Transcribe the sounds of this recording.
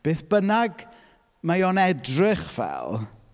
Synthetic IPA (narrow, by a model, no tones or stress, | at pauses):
b̥eːθb̥ənaɡ | majɔnɛdrɪχv̥ɛ̰lˠ